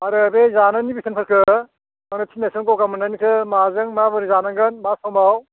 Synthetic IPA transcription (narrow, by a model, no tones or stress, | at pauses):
aɾɯbezananibisʰɯnpʰɯɾkʰɯ | anɯtʰinesɯŋkɔwkamɯnanikʰɯmazɯŋmabɯɾizanaŋɡɯnmasɔmaw